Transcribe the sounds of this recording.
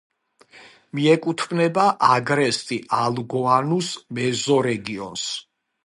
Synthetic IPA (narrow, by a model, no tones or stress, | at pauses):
miɛkʼut̪ʰbnɛbaʔaɡɾɛst̪ʼiʔalɡɔanusmɛzɔɾɛɡiɔ̰ns